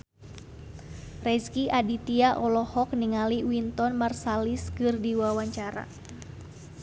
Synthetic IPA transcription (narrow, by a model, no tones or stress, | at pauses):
rɛskiʔadit̪iaʔɔlɔhɔkniŋaliwint̪ɔnmarsaliskɨrdiwawaɲt͡ʃaɾa̰